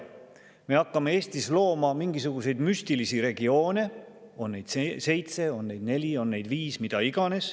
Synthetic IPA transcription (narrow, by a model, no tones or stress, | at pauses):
me̞ɑkːɑme̞eːst̪islo̞ːmɑmiŋɡ̥isuɡ̥use̞jd̪myst̪ilisiɾe̞ɡ̥io̞ːne̞ | o̞nːe̞jd̪̥se̞jt̪se̞o̞nːe̞jd̪ne̞lʲio̞nːe̞jd̪viːsmid̪̥ɑiɡ̥ɑne̞s